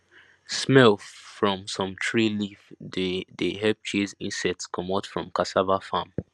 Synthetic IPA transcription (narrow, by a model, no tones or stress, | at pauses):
smɛlfɹɔ̃msɔ̃mtʰɹilifddɦɛp̚t͡ʃʰizĩnsɛk̚tskʰɔ̃matfɹɔ̃mkʰasavafãm